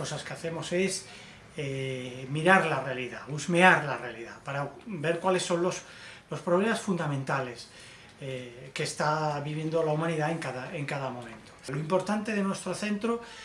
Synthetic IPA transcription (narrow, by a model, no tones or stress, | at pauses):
kosaskeaθe̞mo̞se̞s | emiɾaɾlare̞aliðaβuzme̞aɾlare̞aliðapaɾabe̞ɾkwale̞sːo̞nlos | lo̞spɾoβ̞le̞masfund̪amẽnt̪ale̞s | eke̞st̪aβiβ̞je̞nd̪olaumãniðaeŋkaðaeŋkaðamõ̞mẽ̞nt̪oloimpo̞ɾt̪ant̪e̞ðenwe̞st̪ɾoθe̞nt̪ɾo